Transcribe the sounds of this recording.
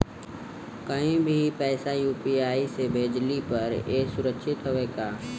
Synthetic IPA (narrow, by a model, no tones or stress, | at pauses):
kəɦĩbʱipɛːsajuːpiːaːisebʱeːd͡ʒlipɐɾeːsʊɾəkʃɪt̪ɦoʋeːɡaː